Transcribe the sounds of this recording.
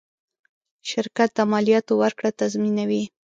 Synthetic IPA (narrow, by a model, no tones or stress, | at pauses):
ʃɪɾkat̪̚d̪amɑljɑt̪owaɾkɽat̪azminawi